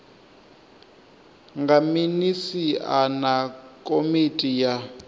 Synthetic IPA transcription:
ŋɡaminisianakʼomitʼija

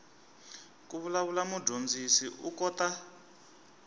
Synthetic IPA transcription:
kuβulaβulamudond͡zisiʔukɔta

